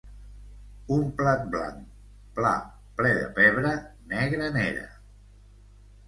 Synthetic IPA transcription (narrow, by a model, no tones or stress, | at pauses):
umplat̪̚bla̰ŋ | pla̰ | plɛðə̰pɛβɾənɛɣɾənɛɾə̰